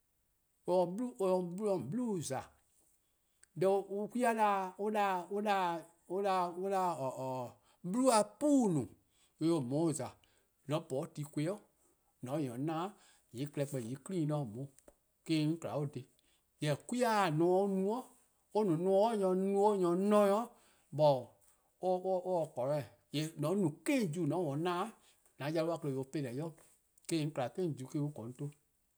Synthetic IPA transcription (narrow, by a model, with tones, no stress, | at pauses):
õ˧˨blũ˦˧ɓu˦lɔ̃˨blu˦˨za˨ | dɛ˧˦u˦kʷi˦a˦la˧˦o˦la˧o˦la˧ | o˦la˧o˦la˧˨ | bu˦lu˦a˧puː˦nũ˨ | e˧o˨mɔ̃˨˦o˨za˨ | nɔ̃˨˦bɔ˨˦ti˨˦kʷe˧˦ɔ˦˨ | nɔ̃˨˦ɲɔ̃˨˦nãː˦ | je˨˦kɛ˧˦k͡pɛ˧˨je˨˦klĩː˦nɔ̃˨mõ˨˦ | kẽ˦˧ŋ̩˦kla˨˦o˦˨de˨ | jɛ˨kwi˦a˦˨nɔ̃˨˦˧o˦nũ˦ɔ̃˦ | o˦nũ˨˦nũɔ̃˧˦o˦ɲɔ̃˧nũ˦o˦ɲɔ̃˧˦nɔ̃˦ɔ̃˦ | ɓɔ˨ | o˦o˦ɔ˨kɔ˨ɾɔ˨ | jɛ˨nɔ̃˨˦nũ˨kẽ˦˨d͡ʒu˦˨nɔ̃˨˦wɔ̃˨˦nãː˦ | nã˨˦ja˧lu˦a˦˧kə˧le˧˨o˨o˧˦pe˦˧˦lɛ˨˦jɔ˦˨ | kẽ˦˧ŋ̩˦kla˨kẽ˦˨d͡ʒu˨˦kẽ˦u˦kɔ̃˨n˦to˦